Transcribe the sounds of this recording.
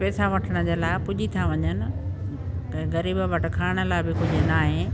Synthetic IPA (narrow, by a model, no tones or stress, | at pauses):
pɛːsaʋɐʈʰəɽ̃ʊd͡ʑeːlaːɪpʊʄit̪ʰaʋɐɲənɪ̆̃ | ɣɐɾiːbəʋɐʈ̆kʰaːɪɽ̃ə̆laːɪbɪkʊd͡ʑʱʊnaːɦẽː